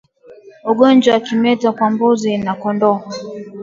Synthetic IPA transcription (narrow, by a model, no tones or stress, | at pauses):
ɔɡɔnd͡ʒwakimɛtakwambozinakɔndɔ